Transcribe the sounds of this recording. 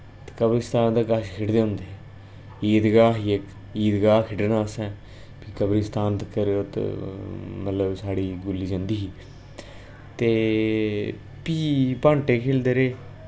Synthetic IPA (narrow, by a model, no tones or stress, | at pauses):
t̪e̥kəbɾist̪aːnd̪aːkaʃkʰeʈd̪eːʊ̃ːnd̪eːɛ | iːd̪ɡaːɦiːek | iːd̪ɡaːkʰɪʈnaːsɛ̃ː | piːkəbɾist̪aːnt̪əkəɾeot̪ | mət̪ləbsaːɽiːɡʊlːiːd͡ʒãːnd̪iːɦiː | t̪eː | piːpãːɳʈeːkʰeːld̪eːɾeː